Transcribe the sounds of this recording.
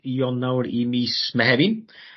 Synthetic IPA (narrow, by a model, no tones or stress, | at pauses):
jɔnːawɾimismɛhɛbin